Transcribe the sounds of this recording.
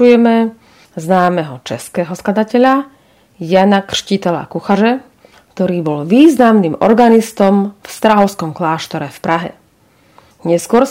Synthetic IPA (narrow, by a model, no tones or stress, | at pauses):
ujɛmɛ | znaːmɛɦɔt͡ʃɛskɛɦɔsklad̪acɛʎa | janakr̥ʃcit̪ɛla̰kuxaʒɛ | kt̪ɔɾiːbɔlʋiːznamnimɔ̰ɾɡanist̪ɔmfst̪ɾaɦɔʊskɔmklaːʃt̪ɔɾɛfpɾaɦɛ̰ | ɲɛskʊɔɾ